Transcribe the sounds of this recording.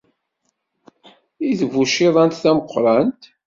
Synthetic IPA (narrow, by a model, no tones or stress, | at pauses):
iðvːuʃiðˤɑnt̪θæməqʷːɾˤɑnt̪